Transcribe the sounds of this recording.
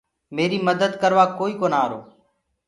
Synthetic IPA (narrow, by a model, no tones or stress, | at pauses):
meːɾiːməd̪əd̪kəɾʋaːkoːiːkoːnaːɾo̰ː